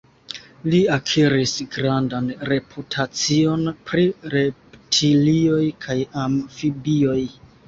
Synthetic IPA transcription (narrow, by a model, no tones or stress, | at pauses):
liakʰiɾisɡɾandanɾe̞pʰutʰat͡sio̞npɾiɾe̞ptʰilio̞jkʰajamfibio̞j